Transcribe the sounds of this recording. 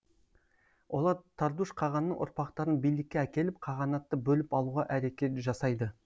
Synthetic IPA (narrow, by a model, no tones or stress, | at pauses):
wʔo̞lˠɑɾt̪ʰɑɾd̪uʃqʰɑʁɑnːəɴʔʊ̰ɾpɑqt̪ɑɾənbijlɪkʲːeækʲe̞lɪp̚qʰɑʁɑnɑt̪ːəbɵlɪpɑlˠuʁɑʔæɾe̞kʲe̞t̪ʒɑsɑjd̪ə